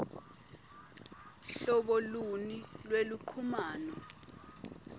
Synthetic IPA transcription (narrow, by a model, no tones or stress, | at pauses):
ɬɔɓɔlunilweluǃʰumaːnɔ